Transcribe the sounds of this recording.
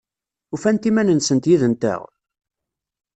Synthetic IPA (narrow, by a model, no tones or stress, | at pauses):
ufænt̪imænənsənt̪jiðənt̪æ̰ʁ